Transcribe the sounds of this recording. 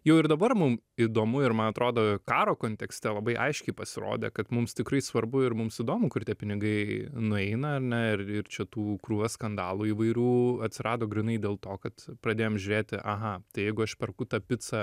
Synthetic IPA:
jɛʊɪɾd̪ɐbɐrmʊmid̪oːmʊɪɾmɐnɐt̪ɾoːd̪oːkɑːɾoːkoːnʲt̪ʲɛksʲt̪ʲɛlˠɐbɐɪʔɐ̰ɪʃʲkʲɛɪpɐsʲɪɾo̰ːd̪ʲḛkɐt̪mʊmst̪ʲɪkɾɐɪsʋɐɾbʊɪɾmʊmsid̪oːmʊkʊrt̪ʲiɛpʲɪnʲɪɡɐɪnʊɛɪnɐɐrnʲɛɪrɪrt͡ʃʲɛt̪uːkruːʋʲɐskɐnd̪ɑːlˠuːiːʋɐɪɾʲuːɐt̪ʲsʲɪɾɑːd̪oːɡɾʲɪnɐɪd̪ʲeːlˠt̪oːkɐt̪pɾɐd̪ʲeːjoːmʒʲʉɾʲeːt̪ʲɪʔɐɦɐt̪ɐɪjɛɪɡʊɐʃpʲɛrkʊt̪ɐpʲɪt̪sɐ

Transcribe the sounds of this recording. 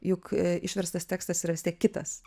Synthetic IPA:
jʊkɪʃʲʋʲɛɾst̪ɐst̪ʲæːkst̪ɐsiɾɐʋʲɪst̪ʲiɛk̚kʲɪt̪ɐ̰s

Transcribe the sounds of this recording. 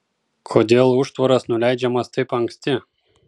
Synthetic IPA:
kʰoːd̪ʲeːlˠʊʃt̪ʋɐɾɐsnʊlʲæˑɪd͡ʒʲɛmɐst̪ɐɪpɐŋksʲt̪ʲɪ

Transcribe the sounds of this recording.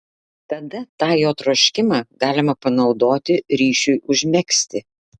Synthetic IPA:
t̪ɐd̪ɐt̪ɑːjoːt̪ɾoːʃʲkʲɪmɑːɡɑːlʲɪmɐpɐnɒʊd̪oːt̪ʲɪɾʲiːʃʲʊɪʔʊʒʲmʲɛksʲt̪ʲɪ

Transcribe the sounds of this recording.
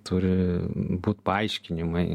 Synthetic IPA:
t̪ʊɾʲɪbuːt̪pɐɐɪʃʲkʲɪnʲɪmɐɪ

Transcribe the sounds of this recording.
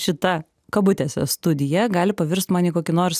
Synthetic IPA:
ʃʲɪt̪ɐ | kɐbʊt̪ʲesʲɛst̪ʊd̪ʲɪjɛɡɑːlʲɪpɐʋʲɪɾst̪mɑːnʲiːkoːkʲɪnoːɾs

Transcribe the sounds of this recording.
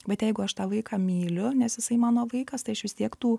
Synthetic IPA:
bʲɛt̪jɛɪɡʊɐʃt̪ɑːʋɐɪkɑːmʲiːlʲʊnʲɛsjɪsɐɪmɑːnoːʋɐɪkɐst̪ɐɪɐʃʋʲɪst̪ʲiɛkt̪uː

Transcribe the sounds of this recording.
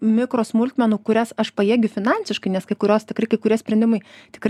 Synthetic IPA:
mʲɪkɾoːsmʊlʲt̪ʲmʲɛnuːkʊɾʲæsɐʃpɐjiːɡʲʊfʲɪnɑnʲsʲɪʃkɐɪnʲɛskɐɪkʊɾʲoːst̪ʲɪkɾɐɪkɐɪkʊɾʲiɛsʲpʲɾʲɛnd̪ʲɪmɐɪt̪ʲɪ̥kɾɐ

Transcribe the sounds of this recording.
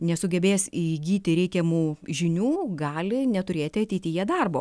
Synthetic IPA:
nʲɛsʊɡʲɛbʲeːsiɡʲiːt̪ʲɪɾʲɛɪkʲɛmuːʒʲɪnʲuːɡɑːlʲɪnʲɛt̪ʊɾʲeːt̪ʲɪɐt̪ʲɛɪt̪ʲɪjɛd̪ɐrbo̰ː

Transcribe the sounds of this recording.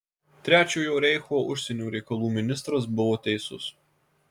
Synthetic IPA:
t̪ʲɾʲæːt͡ʃʲoːjoːɾʲɛɪxoːʔʊʃʲsʲɛnʲuːɾʲɛɪkɐlˠuːmʲɪnʲɪst̪ɾɐs̬bʊʋoːt̪ʲɛɪsʊ̰s

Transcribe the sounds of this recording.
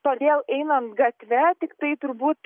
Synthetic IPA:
t̪oːd̪ʲeːlˠɛɪnɐnt̪ɡɐt̪ʲʋʲɛt̪ʲɪkt̪ɐɪt̪ʊɾbuːt̪

